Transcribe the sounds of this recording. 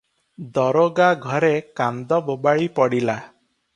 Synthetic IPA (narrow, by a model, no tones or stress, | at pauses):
d̪ɔɾoɡaɡʱɔɾekand̪ɔbobaɭipɔɽila